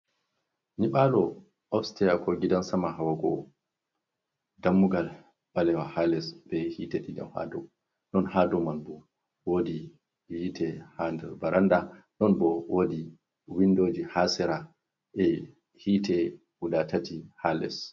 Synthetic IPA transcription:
niɓalɔ | ʔɔfstɛjakɔɡidansamaɦawaɡɔ̰ | damːuɡal | ɓalɛwahalɛsbɛhitɛɗida̰mha̰dɔ̰ | ɗɔnhadɔmanbɔ | wodi | wiːtʰɛhandɛbaɾanda | ɗɔnbɔwodi | windoːd͡ʒihasɛɾa | ʔɛ | hitɛ | udatatihalɛ̰s

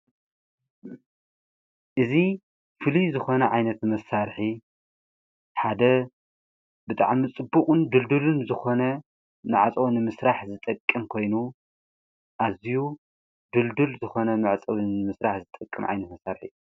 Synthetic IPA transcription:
ʔɨzi | fɨlizɨxo̞nɐʕajnɐt̪mɐsaɾħi | ħad̪ɐ | bɨt̪ʼa̰ʕmit͡sʼɨbːukʼɨnd̪ɨld̪ulunzɨxo̞nɐ | naʕat͡sʼɐwnɨmɨsɾaħzɨt̪ʼɐkʼːɨmkʰo̞jnu | ʔaziju | d̪ɨld̪ulzɨxo̞nɐmaʕt͡sʼɐwɨnɨmɨsɾaħzɨt̪ʼɐkʼːɨ̰mʕa̰jnɐt̪mɐsaɾħḭ

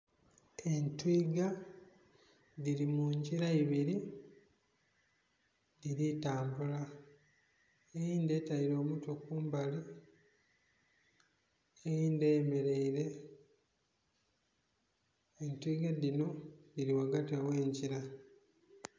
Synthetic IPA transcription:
e̞ntwiːɡa | ðiɾimuɲɟiɾaiβiɾi | diɾitaːmbula | ejiːnde̞ːtaiɾo̞ːmutokuːmbali | ejiːndeːme̞ɾe̞iɾe̞ | entwiːɡadino̞diɾiwaɡatiawe̞ːɲɟiɾa

